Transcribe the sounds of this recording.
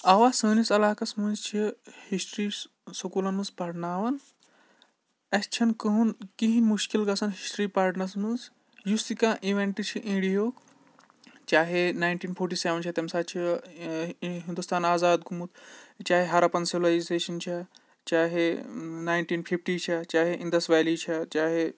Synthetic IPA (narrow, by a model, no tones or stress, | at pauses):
ɐʋaːsəːnisɐlaːkɐsmɐnzt͡ʃʰihisʈɾi | sɐkuːlɐnmɨzpɐɾnaːʋɐn | ɐst͡ʃʰɐnkəɦunkiɦĩmuʃkilɡɐsɐnɦisʈɾiːpaːɾʈnɐɾsmɨnz | just̪ikãːʔiʋeɳʈɨt͡ʃʰiʔĩːɽijoːk | t͡ʃaːɦenaːjnʈiːnpʰoːɾʈiːseʋɐnt͡ʃʰɐt̪emsaːt͡ʃʰi | ɦĩnd̪ust̪aːnaːzaːd̪ɡʱumut̪t͡ʃaːɦeɦaɾapɐnsilaːd͡ʒizeːʃɐnt͡ʃʰɐ | t͡ʃaːɦenaːjɳʈiːnpʰifʈiːt͡ʃʰɐt͡ʃaːɦeĩnd̪ɐsʋaːliːt͡ʃʰɐt͡ʃaːɦe